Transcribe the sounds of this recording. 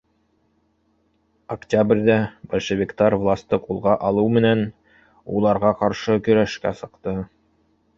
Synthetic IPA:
ɐktʲabrʲd̪æb̥ælʲʃɘ̆vʲɪkt̪ɑɾvlˠast̪ɤqulˠʁɑʔɑlˠɤwmɘ̆næn | ulˠɑɾʁɑqɑɾʃɤkɵ̆ɾæʃkæ̰sɤ̆qt̪ɤ

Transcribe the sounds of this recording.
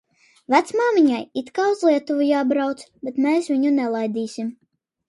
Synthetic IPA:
væt̪smaːmiɲajit̪kaːuzlˠiɛt̪uvujaːbɾawt̪sbʲet̪mɛːsvʲiɲunɛlˠajd̪iːsʲim

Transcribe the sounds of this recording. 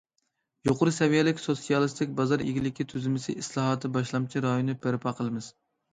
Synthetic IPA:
joqʊɾɨsɛvijɛlɪkʲsosijɑlˠɨst̪ʰɪkʲbɑzɑɾḛɡʲilɪkʲʰit̪ʰyzɪmɪsɪʔislˠɑːɦɑːt̪ʰɨbɑʃlˠɑmt͡ʃʰiɾɑjonɨpʰɪɾpʰɑqʰəlˠɨmɨz̥

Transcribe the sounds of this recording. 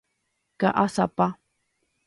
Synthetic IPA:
ka̰ʔasapa

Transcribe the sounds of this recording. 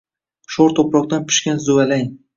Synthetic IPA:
ʃɒɾt̪ʰopɾɒq̚t̪anpʰʊ̥ʃkʲanzʊalaŋ

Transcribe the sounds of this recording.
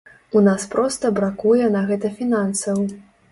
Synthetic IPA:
unaspɾɔst̪ɐbɾakujɛnɐɣɛt̪ɐfʲinansɐw

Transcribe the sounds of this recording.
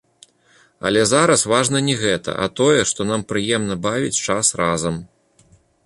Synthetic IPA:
ɐ̰lʲɛzaɾɐsvaʐn̪ɐnʲɛɣɛt̪ɐ̰ʔɐ̰t̪ɔjɛʂt̪ɔn̪ampɾɨjɛmnɐbavʲit͡sʲt͡ʂasrazɐm

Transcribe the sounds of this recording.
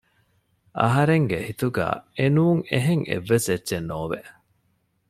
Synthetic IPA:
ʔɐ̰ɦɐɾeŋɡehit̪uɡæ̰ːenuːŋeɦeŋḛʋːesedːʒenːoːʋeʔ

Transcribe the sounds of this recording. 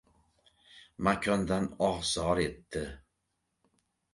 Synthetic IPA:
makʰʲɔnd̪anɒʁzɑːɾet̪ːɪ

